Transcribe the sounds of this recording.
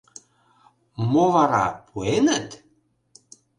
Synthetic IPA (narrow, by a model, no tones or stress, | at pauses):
movɑɾɑ̰pʰuenət̪